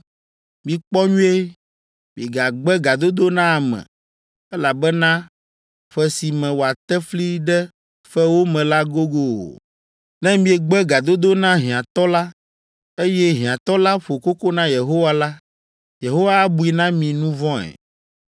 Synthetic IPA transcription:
mĩ˨k͡pɔ˦ɲũ˦e˦ | mĩ˨ɡa˨ɡ͡bɛ˦ɡa˨d̪o˦d̪o˦nã˦a˨mɛ̰̃˨ | ɛ˦la˨bɛ˦nã˦ | ɸɛ˦si˨mɛ̃˨wo˨a˨t̪ɛ˦fli˦ɖɛ˦ | ɸɛ˦wo˦mɛ̃˨la˦ɡo˦ɡo̰˦˨ | nɛ̃˦mĩ˦ɛ˨ɡ͡bɛ˦ɡa˨d̪o˦d̪o˦nã˦ɦĩ˨ã˨t̪ɔ˦la˦ | e˦jɛ˦ɦĩ˨ã˨t̪ɔ˦la˦ɸo˨ko˦ko˦nã˦je˨ɦo˦wa˦la˦ | je˨ɦo˦wa˦a˦bu˨i˨nã˦mĩ˨nũ˦vɔ̃˦ɛ̰˨

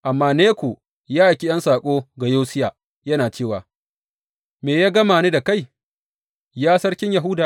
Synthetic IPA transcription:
ʔa˨mːaː˦neː˦kʷoː˨ | jaː˦ʔkʲi˦j̰ɐ˦nsaː˨kʷʼoː˦ɡa˨joː˦sɪ˦jaː˨ | jɐ˦naː˨t͡ʃeː˦˨waː˨ | meː˨jaː˦ɡɐ˦maː˨neː˦da˨ka˦˨j | jaː˦sɐ˦ɽkʲɪ˦ɲja˨ɦʊ˦daː˨

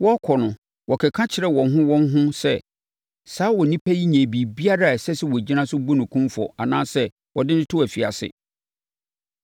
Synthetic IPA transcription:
wɔ˦kʰɔ˨nʊ̃˨ | wɔ˨kʰɛ˨kʰã˦t͡ɕʰɪ˨ɾɛ˦wɔ̃˨nɦʊ̃˦wɔ̃˦n˦ɦʊ̃˦sɛ˦ | saː˦wɔ˨nĩ˦pʰæ˦ji˦ɲæ̃˨bi˨bi˦a˦ɾa˦˨sɛ˦sɛ˦wɔ˨d͡ʑi˦nã˦sʊ˦bu˦nʊ̃˨kʰũ˦mfɔ̰˨a˨nãː˦sɛ˦ | wɔ˨dɪ˦nɪ̃˦tʰʊ˦æ˨fi˨a̰˨sɪ̰˦

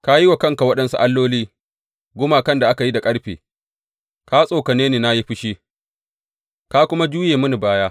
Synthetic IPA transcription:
ka˦ji˦wa˨kɐ˦˨ŋka˨wɐ˦ɗɐ˦nsu˦ʔa˦lːoː˦liː˦ | ɡʷʊ˦maː˨kɐ˦nda˨ʔa˦ka˨ji˦da˨kʼɐ˦ɽɸeː˨ | ka˦sʼoː˨ka˨neː˦neː˨na˦ji˦ɸɪ˦ʃi˦ | ka˦kʷʊ˦ma˦d͡ʒuː˦jeː˨mʊ˦ni˨baː˦jaː˦

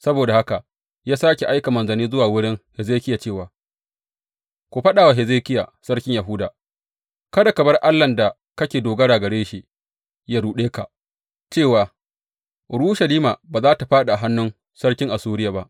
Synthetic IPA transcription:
sɐ˦boː˨da˨ha˦ka˨ | jaː˦saː˦kʲe˨ʔa˦jka˨mɐ˨nzɐ˨niː˦zʊ˦waː˨wʊ˦ɽɪ˦ŋhɛ˨zeː˦kʲɪ˦ja˨t͡ʃeː˦˨waː˨ | kʷu˨ɸɐ˦ɗaː˨wa˨ɦɛ˨zeː˦kʲɪ˦ja̰˨sɐ˦rkʲɪ˦ɲja˨ɦʊ˦daː˨ | kɐ˦da˨kɐ˨bɐ˦rʔa˦lːɐ˨nda˨ | kɐ˦kʲeː˨doː˨ɡɐ˦ɽaː˨ɡɐ˨ɽeː˦ʃi˨ | jaː˦ɽuː˨ɗeː˦ka˨ʔ | t͡ʃeː˦˨waː˨ | ɽuː˦ʃɐ˨liː˦maː˨baː˨zaː˦ta˨ɸaː˦ɗa˨a˨ɦa˦nːʊ˦n | sɐ˦rkʲɪ˦ŋʔa˨suː˦ɾɪ˦ja˨ba˦ʔ

